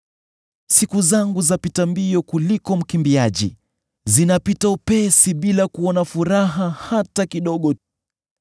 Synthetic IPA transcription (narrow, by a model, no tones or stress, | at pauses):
sikuzaŋɡuzapitambiɔkulikɔm̩kimbiaʄḭ | zinapitaupɛsiɓilakuɔnafuɾaɦahatakiɗɔɠɔ